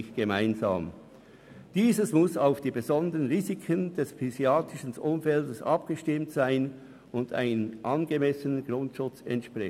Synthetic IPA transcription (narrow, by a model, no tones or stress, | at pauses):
ɪçɡ̥emaɪnza̰ːm | d̥iːzəsmʊsaʊfd̥iːbezɔndəʁənʁiːzikʰəndɛsfiziaːtɪʃən̩ʔʊmfɛldəsɑp̚ɡ̥əʃtɪmtsaɪn | ʊnda̰ɪnənʔɑnɡəmɛsənənɡʁʊntʃʊt͡sɛ̰ntʃpʁɛ